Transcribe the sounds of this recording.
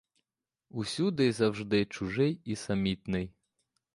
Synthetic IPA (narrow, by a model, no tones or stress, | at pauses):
usʲud̪ɪjzɐwʒd̪ɪt͡ʃʊʒɪjisɐmʲit̪nɪj